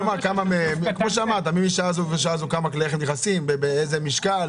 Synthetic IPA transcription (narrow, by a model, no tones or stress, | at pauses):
makamamemikmo̞ʃeamaʁt̪amimiʃaazuveʃ̬azukamakleeχemneχasimbebeejzemiʃkal